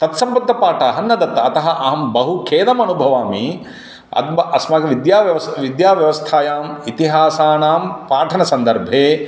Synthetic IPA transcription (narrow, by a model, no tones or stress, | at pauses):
t̪ɐt̪sɐmpɐk̚t̪ːɐpaːʈɐɦɐnːɐd̪ɐt̪ːɐɐt̪ɐɦɐ̆ʔɐɦɐmbɐɦukʰeːd̪ɐmɐnubʱɐʋaːmi | ɐ̰d̪bɐʔɐsmɐɡɐʋid̪jaːʋjɐʋɐsʋid̪jaːʋjɐʋɐst̪ʰaːjaːmit̪iɦaːsaːnaːmpaːʈʰɐnɐsɐnd̪ɐɾbʱeː